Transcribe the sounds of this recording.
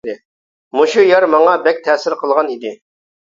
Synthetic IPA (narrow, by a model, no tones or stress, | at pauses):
d̪ɪ | moʃujɑɾmɑŋɑbɛk̚ʲt̪ʰɛsɪɾqʰəlˠʁɑnid̪ɪ